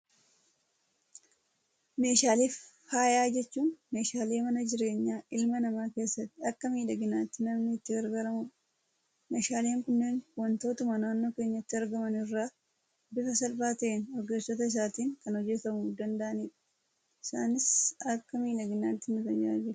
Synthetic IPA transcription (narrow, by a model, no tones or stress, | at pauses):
me̞ːʃaːliːf | haːjaːd͡ʒɛt͡ʃːuːnme̞ːʃaːle̞ːmɐnɐd͡ʒɪɾe̞ːɲːaːʔɪlmɐnɐmaːke̞ːsːɐt̪ːɪɐkːɐmiːᶑɐɡɪnaːt̪ːɪnɐmnɪːt̪ːɪɡɐɾɡaɾɐmʊ | meːʃaːleːŋkʊnːeːnwɐnt̪o̞ːt̪ɐmanaːnːo̞ːke̞ːɲːɐɪt̪ːɪɐɾɡɐmɐnɪrːaː | bɪfɐsɐlbaːt̪ɐʔeːnɔɾɡeːsːɔt̪ɐɪs̬aːt̪iːŋkɐnɔd͡ʒːɛt̪ɐmʊd̪ɐnd̪ɐʔɐniːᶑɐ̥ | ɪsa̰ːnɪsɐkːɐmiːᶑɐɡɪnaːt̪ːɪnʊt̪ɐd͡ʒa̰ːd͡ʒɪl